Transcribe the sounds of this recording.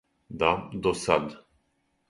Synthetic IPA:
d̪ad̪ɔsad̪

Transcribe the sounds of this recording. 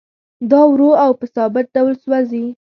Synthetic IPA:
d̪ɑwɾoawpəsɑbɪt̪̚ɖawlswazi

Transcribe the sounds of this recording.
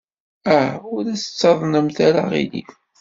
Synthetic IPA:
æʊɾæsə̥t͡sːɑðˤnəmθæɾaʁḭlḭ

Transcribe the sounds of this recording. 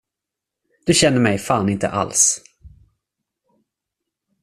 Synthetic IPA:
d̪̥ɵɕɛnːəɾmɛjfaːnɪnt̪ə̰ʔa̰ls

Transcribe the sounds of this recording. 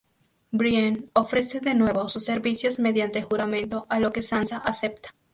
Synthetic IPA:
bɾjano̞fɾe̞se̞ðe̞nwe̞βo̞susːe̞ɾβisjo̞zme̞ðjant̪e̞xuɾamẽ̞nt̪o̞ʔalo̞ke̞sansaʔase̞p̚t̪ḁ

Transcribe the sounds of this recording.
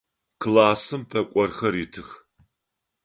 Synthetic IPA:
kʰlaːsɨmpʰɐkʷʼɔrxɐɾɪtʰɨx

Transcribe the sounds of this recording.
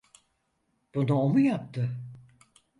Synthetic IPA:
b̥unuomujap̚t̪ʰɯ

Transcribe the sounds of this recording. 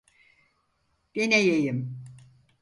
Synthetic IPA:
b̥enɛjejim

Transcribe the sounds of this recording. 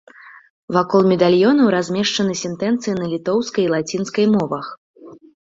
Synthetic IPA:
vakɔlˠmʲɛd̪alʲjɔnɐwɾazʲmʲɛʂt͡ʂɐnɨsʲɛnt̪ɛnt̪sɨjinɐlʲit̪ɔwskɐjlˠat͡sʲinskɐjmɔvɐx

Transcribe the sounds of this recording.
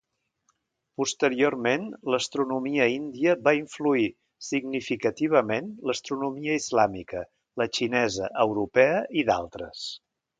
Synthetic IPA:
pust̪əɾiormenləst̪ɾunumiəind̪iəβaiɱflui | siɡnifikət̪iβ̞əmenləst̪ɾunumiəizlamikə | lət͡ʃinɛzə̰ʔəwɾupɛəʔiða̰lˠt̪ɾəs

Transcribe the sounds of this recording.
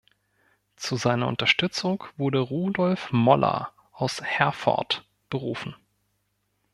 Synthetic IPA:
t͡suzaɪnɐʔʊntɐʃtʏt͡sʊŋkv̥ʊɐdəʁuːdɔlfmɔlʔɐ̰ | ʔaʊshɛɐfɔ̰ɐt | b̥əʁuːfn̩

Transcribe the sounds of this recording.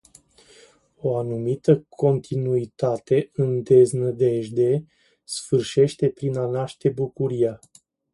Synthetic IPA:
o̞anumit̪əkʰo̞nt̪ʰinuit̪at̪e̞ɨnd̪e̞znəd̪e̞ʒd̪e̞ | sfɨrʃe̞ʃt̪e̞pɾinanaʃt̪e̞bukuɾija

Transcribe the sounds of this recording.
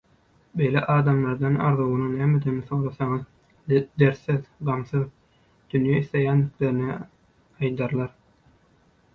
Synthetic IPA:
be̞jlḛʔɑːd̪ɑmlˠɑɾd̪ɑnɑ̰ɾðuɣunɯnæːmed̪enθoŋlɑθɑŋɯð | d̪eɾθeðɢɑmθɯð | d̪̥ynjæiθle̞jænd̪ikleɾini | ɑjd̪ɑɾlˠɑɾ

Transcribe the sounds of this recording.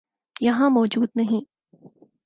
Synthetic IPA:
jɐɦãmɔːd͡ʒuːd̪nɐɦĩ

